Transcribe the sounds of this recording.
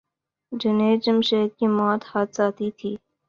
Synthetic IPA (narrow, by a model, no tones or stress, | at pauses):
d͡ʒɪneːd͡ʒəmʃeːkkimɔːt̪haːt̪̚ʰsaːt̪it̪ʰiː